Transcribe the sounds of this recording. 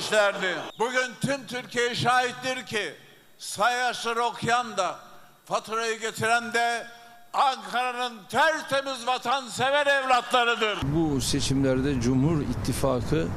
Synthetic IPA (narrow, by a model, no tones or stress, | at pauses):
ʃlʲæɾd̪ɪbuɟynt̪ʰymt̪ʰyɾcʰijejiʃaːɦit̪lʲiɾcʰi | sajjaʃlˠaɾɯo̞kʰjjand̪a | fat̪ʰɾajɯɟe̞t̪ʰiɾænd̪ɛ | aŋkʰaɾanɯnt̪ʰæɾt̪ʰe̞mizvat̪ʰansevɛɾɛvlʲat̪lˠaɾɯd̪ɯɾbuse̞t͡ʃʰimlʲæɾd̪ɛd͡ʒumhuɾḭt̪ʰːifaːkʰɯ